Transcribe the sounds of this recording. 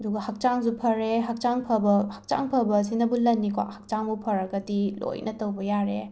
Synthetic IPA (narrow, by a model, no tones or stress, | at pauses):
ɐduɡɐhɐk̚t͡ʃaŋzupʰɐɾeɦak̚t͡ʃaŋpʰɐbɐhak̚t͡ʃa̰ŋpʰɐbɐs̬inɐbulɐnːikwa̰ʔhak̚t͡ʃaŋbupʰɐɾɐɡɐtilo̰jnʔɐtɐwbɐjaɾe